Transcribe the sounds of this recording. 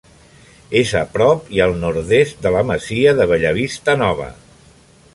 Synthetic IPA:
ezə̰pɾɔpiəlˠnuɾðest̪̚d̪ələməziəðəβəʎəβist̪ənɔβ̞ə̰

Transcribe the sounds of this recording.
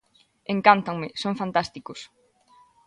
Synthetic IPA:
ẽŋkant̪aŋmɪsõŋfant̪ast̪ikʊs

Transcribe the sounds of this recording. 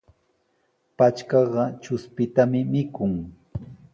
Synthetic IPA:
pat͡ʃkɑɢɑt͡ʃʊspɪt̪amɪmɪkʊŋ

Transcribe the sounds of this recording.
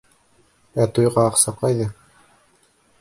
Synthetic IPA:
æt̪ujʁɑːqsɑqɑjðɤ

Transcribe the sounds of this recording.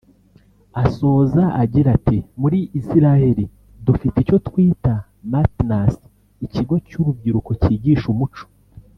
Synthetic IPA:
aso̞ːzaʔaɟiɾatimuɾiːsiɾahe̞ɾi | dufitico̞twiːta | matnas | iciɡo̞cuɾub̚ɟiɾuko̞ciːɟiːʃumut͡ʃo̥

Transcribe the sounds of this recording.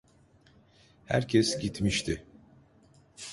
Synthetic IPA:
hæ̰ɾcʰɛsɟit̪miʃt̪ʰɪ

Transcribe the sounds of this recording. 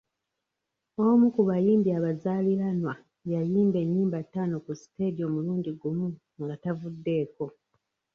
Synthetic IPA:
omukuβajiːmbiaβazaːliɾanwa | jajiːmbe̞ɲːiːmbatːaːno̞kusi̥te̞ːdio̞muluːɲɟiɡumu | ŋɡatavudːe̞ːko̞

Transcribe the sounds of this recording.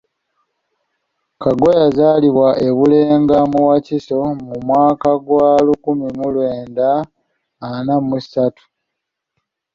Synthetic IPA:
kaɡo̞jazaːliβwaʔe̞βuleːŋɡamuwaciso̞mumwaːkaɡwaːlukumimulwe̞ːndaː | namussatu̥

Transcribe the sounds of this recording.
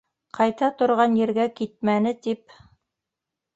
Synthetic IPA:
qɑjt̪ɑt̪ŏɾʁɑnjɘ̆ɾɡækit̪̚mænɘt̪ip̚

